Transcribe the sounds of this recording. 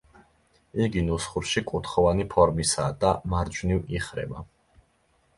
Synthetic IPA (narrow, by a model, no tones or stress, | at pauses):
iɡinusχuɾʃikʼut̪χɔvanipʰɔɾmisa̰ːd̪amaɾd͡ʒniviχɾɛ̰ba